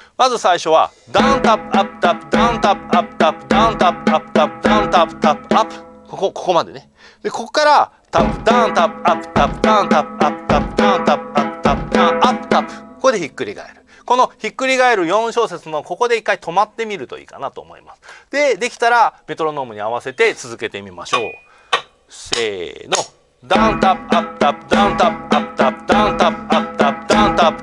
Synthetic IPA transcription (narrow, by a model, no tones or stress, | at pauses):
mazɨsaiɕo̞β̞a̰ | d̪ãnt̪apːɯ̟apːɯ̟̥t̪apːɯ̟d̪ãnt̪apːɯ̟̥apːɯ̟̥t̪apːɯd̪ãnt̪apːɯ̟̥apːɯ̥t̪apːɯ̟d̪ãnt̪apɯ̥t̪apːɯ̟̥apːɯ̟̥kokokoko̞mad̪e̞̰ne | d̪e̞ko̞kokaɾa | t̪apːɯ̥d̪ãnt̪apːɯ̟apːɯ̥t̪apːɯ̟d̪ãnt̪apːɯ̟apːɯ̟̥t̪apːɯ̟d̪ãnt̪apɯ̥apːɯ̥t̪apːɯ̟d̪ãapːɯ̟̥t̪apːɯ̟̥koko̞d̪e̞çikːɯ̟ɾʲḭɡa̰e̞ɾɯ̟ | ko̞no̞çikːɯ̟ɾʲiɡaeɾɯ̟jõ̞ɰ̃ɕo̞ːset͡sɨno̞ko̞ko̞d̪e̞ikːait̪ʰo̞mat̪ːe̞mʲiɾɯ̟t̪o̞̰ḭːkanat̪o̞ːmo̞̰ḭmasɨ̥d̪e̞d̪e̞kʲi̥t̪aɾame̞t̪o̞ɾo̞no̞ːmɯ̟ɲ̟iaβ̞ase̞t̪e̞t͡sɨzɨke̞t̪e̞mʲima̰ɕo̞̰ː | sḛːno̞ | d̪ãnt̪apapɯ̥t̪apɯd̪ãnt̪apɯ̥apːt̪apːɯd̪ãnt̪apapt̪apd̪̥ãnt̪ap